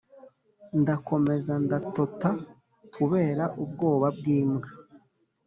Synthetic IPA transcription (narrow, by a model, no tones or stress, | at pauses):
ndako̞me̞zandatota | tuβe̞ːɾaʔub̚ɡo̞ːβab̚ɡiːmɡa